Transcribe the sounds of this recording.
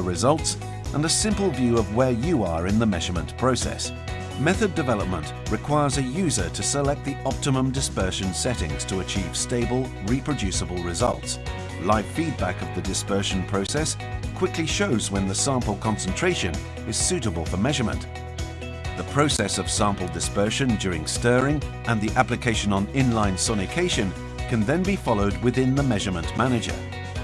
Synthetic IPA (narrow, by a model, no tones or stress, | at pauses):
əɹɨzʌlˠts | ʔə̃nəsɪ̃mpl̩ˠvjʉʌvwə˞jɨə˞ɨ̃nðəmɛʒə˞mə̃npʰɹ̥oʊsɛ̰s | mɛθɨdɨvɛlˠəp̚mə̃nʔɹɨkʰw̥aɪə˞zɨjʉzə˞ɾɨsəlɛk̚t̪̚ðiɑp̚tɨmə̃mdɨspɜ˞ʃɨ̃nsɛɾɪ̰̃ŋz̥tʰəːt͡ʃʰiv̥steɪbəl̩ˠ | ɹipʰɹ̥ɨdʉsəbəl̩ˠɹɨzʌ̰lˠts | laɪffid̚bækʌvðɨdɨspɜ˞ʃn̩pʰɹ̥oʊsɛs | kʰw̥ɪkliʃoʊzwə̃nðəsæ̃mpl̩ˠkʰɑ̃nsn̩tʰɹ̥eɪʃɨ̰̃n | ɨz̥sʉɾəbəlˠfə˞mɛʒə˞mə̰̃nʔ | ðəpʰɹ̥oʊsɛsʌv̥sɑ̃mpl̩ˠdɨspɜ˞ʃɨ̃nd͡ʒʊɹɪ̰̃ŋstɜːɹɪ̃ŋʔə̃nðiʔæplɨkʰeɪʃɨ̃nə̃nɪ̃nlãɪ̃nsɔnɨkʰeɪʃɨ̃n | kʰɨ̃nðɨ̃nbifɑlˠoʊd̚wɨðɪ̃nðəmɛʒə˞mə̃nʔmænɨd͡ʒə̰˞